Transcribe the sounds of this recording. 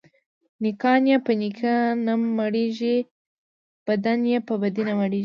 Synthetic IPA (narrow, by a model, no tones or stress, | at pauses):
nɪkɑnjapənikʰanammaɽeʒi | b̥ad̪anjepəbad̪inamaɽiʒ